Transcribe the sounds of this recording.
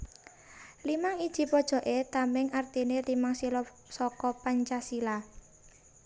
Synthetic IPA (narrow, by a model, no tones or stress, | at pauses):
limaŋid̥ʒ̥i̤pɔd̥ʒ̥ɔ̤ʔet̪amɪŋart̪inelimaŋsilɔ | sɔkɔpaɲt͡ʃasila